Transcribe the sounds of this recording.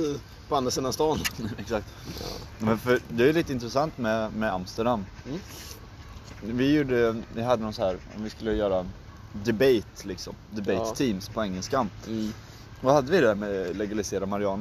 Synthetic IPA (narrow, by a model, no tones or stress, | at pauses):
pand̪ɾasenːast̪ɑːnɛksak̚t̪ | mɛnfœɾd̪ɛæɾjliːt̪əɪnt̪ɾɛsant̪mɛmɛamst̪əɖamː | vɪjuːɖəvɪɦad̪ːənɔnsɔhæːɾɔ̰mvɪskɵlːəjœːɾa | d̪ɛbejt̪lɪksɔ̰md̪ɛbejt̪ʰːiːmspʰɔɛŋːɛlskan | vahad̪ːəvɪd̪ɛæːɾmɛlɛɡalɪseːɾamaɾɪɑːnə